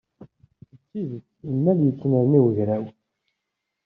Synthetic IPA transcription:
ət͡sːiðət͡sːimːæljət͡sːnəɾniwəʝɾæw

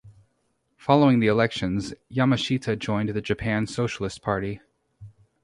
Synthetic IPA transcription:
fɑlˠoʊɪ̃ŋðiəlɛkʃɨ̃nzjɑmɨʃitʰɨd͡ʒɔ̃ɪ̃nðɨd͡ʒɨpʰæ̃nsoʊʃl̩ˠəspʰɑɹɾi

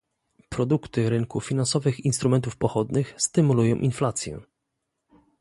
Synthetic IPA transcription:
pɾɔd̪ukt̪ɘɾɘŋkufʲinansɔvɘxinst̪ɾumɛnt̪ufpɔxɔd̪nɘxst̪ɘmulujɔ̃w̃ʔinflat̪sʲjɛ̰

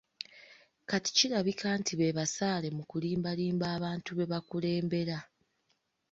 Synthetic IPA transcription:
kati̥ciɾaβikʰaːntʰiβe̞βasaːle̞mukuliːmbaliːmbaːβaːntuβe̞βakule̞ːmbe̞ɾa

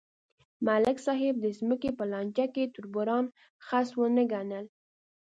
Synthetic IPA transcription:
malɪksɑɦɪb̚d̪əzməkepəlɑnʲt͡ʃjaket̪ʊɾbʊɾɑn | xaswənəɡanəl

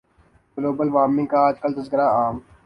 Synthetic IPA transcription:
ɡloːbəlʋaːmɪ̃ŋɡkaaːd͡ʒkəlt̪ɐzkəɾaːaːm

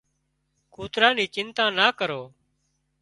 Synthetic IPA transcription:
kuːt̪ɾaːniːt͡ʃɪnt̪ãːnaːkəɾoː

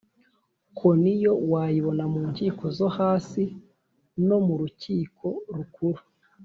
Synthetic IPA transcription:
kʰonijo̞waːjiβo̞namuːɲciːko̞zohaːsi | no̞muɾuciːkʰo̞ɾukuɾu

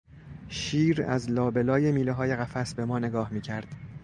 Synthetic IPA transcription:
ʃiːɾæ̰zlɒːbe̞lɒːje̞miːleɦɒːje̞ɣæfæsbe̞mɒːne̞ɡɒːhmiːcʰæɾd̪̥

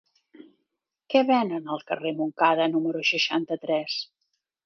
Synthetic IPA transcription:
kɛβɛnənəlˠkə̰remuŋkaðənuməɾuʃəʃant̪ət̪ɾɛs

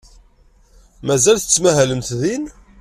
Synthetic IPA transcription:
mæzælθə̥t͡sːmæɦæləmt̪ðin

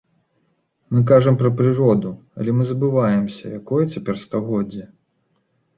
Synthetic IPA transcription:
mɨk̬aʐɐmpɾɐpɾɨɾɔd̪u | ɐ̰lʲɛmɨzɐbɨvajɛmsʲɐ̰jakɔjɛt͡sʲapʲɛrst̪aɣɔdd͡zʲːi

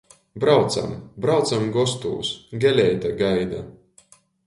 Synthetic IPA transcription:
bɾawt̪sa̰mbɾawt̪samɡɔst̪ṵːsɡʲɛlʲɛjt̪aɡajd̪a̰

